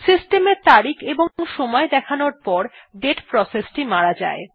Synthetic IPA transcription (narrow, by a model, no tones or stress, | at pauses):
sisʈemeɾt̪aɾikʰeboŋʃɔmɔed̪ɛkʰanoɾpɔɾɖeʈpɾɔsesʈimaɾad͡ʑa̰e